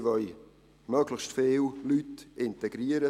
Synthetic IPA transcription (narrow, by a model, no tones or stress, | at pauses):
vœj | møːɡlɪçʃtfeːllytɪntɛɡ̥ɾiːəɾə